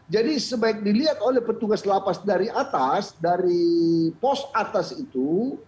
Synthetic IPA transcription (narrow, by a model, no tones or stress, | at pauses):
d͡ʒadisəbaɪk̚diliat̪olɛhpət̪uɡaslapasdaɾiʔat̪asdaɾipɔsat̪asit̪u